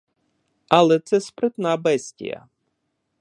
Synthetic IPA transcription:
ɐlˠɛt̪sɛspɾɪt̪nabɛsʲtʲḭjɐ̰

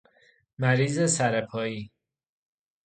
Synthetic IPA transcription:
mæɾiːzesæɾepʰɒːiː

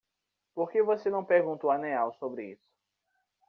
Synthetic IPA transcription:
poɾkevosenɐ̃w̃peɾɡũnt̪uaneawsobɾɪḭsʊ̥

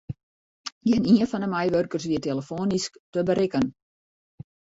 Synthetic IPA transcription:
jɛniənfɔndəmɛjʋørkərsʋiəteləfoːnisktəbəɾɪkən

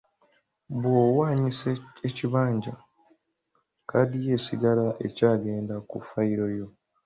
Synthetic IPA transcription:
βwoːwaːɲiseeciβaːɲɟa̰ | kʰadije̞siɡalaʔe̞̰caːɡe̞ːndakufaiɾo̞jo̞

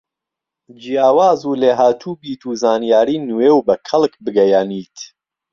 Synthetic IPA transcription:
d͡ʒijaːwaːzuːleːɦaːt̪ʰuːbiːt̪ʰuːzaːnijaːɾiːnuwewbɐkʰɐlˠkbɨɡɐjaːniːt̪

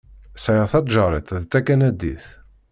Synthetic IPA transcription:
sæjəθɑt̪ˤʒɑɾˤit̪ˤðt̪ːækːænæd̪ːḭθ

